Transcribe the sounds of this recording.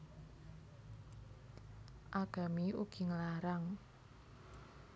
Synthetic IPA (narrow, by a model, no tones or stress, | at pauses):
ʔaɡ̥a̤miʔuɡ̥i̤ŋəlaɾaŋ